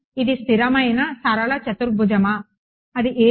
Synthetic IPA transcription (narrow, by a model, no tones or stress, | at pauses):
id̪ist̪ʰiɾɐmɐjnɐsɐɾɐɭɐt͡ʃɐt̪uɾbʱud͡ʒɐmɐː | d̪iʔeː